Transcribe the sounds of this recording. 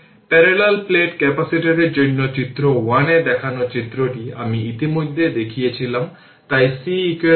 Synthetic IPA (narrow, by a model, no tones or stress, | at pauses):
pɛɾelelpleʈkɛpasiʈiɾed͡ʑonːot͡ɕit̪ːɾowaned̪ɛkʰanot͡ɕit̪ːɾoʈiamiit̪imod̪ʱːed̪ekʰijet͡ɕʰilam | t̪ajsiike